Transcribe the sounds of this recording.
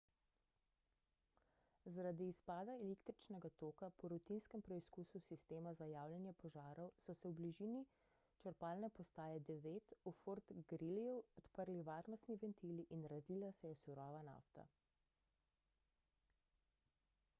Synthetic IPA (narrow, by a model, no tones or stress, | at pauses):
zaɾad̪iːspaːd̪aɛleːkt̪ɾit͡ʃnɛɡat̪oːkapɔɾɔt̪inskɛmpɾɛiskususist̪eːmazajaːwljɛnjɛpɔʒaːɾɔwsɔsɛwbliʒiːni | t͡ʃəɾpaːlnɛpɔst̪aːjɛd̪ɛʋeːt̪ufoɾt̪ɡɾilijuɔt̪pəɾliʋaːɾnɔst̪niʋɛnt̪iliʔinɾaziːlasɛjɛsuɾɔːʋana̰ːft̪a̰